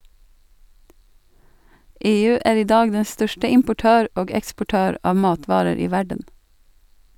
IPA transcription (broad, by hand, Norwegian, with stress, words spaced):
ˈeːˌʉː ˈæːɾ ˈiː ˈdɑːɡ ˈdɛ ˈstœʃtə ɪmpʊˈʈøːɾ ˈoːɡ ɛkspʊˈʈøːɾ ˈɑːʋ ˈmɑːtʋɑːɾəɾ ˈiː ˈʋæɖən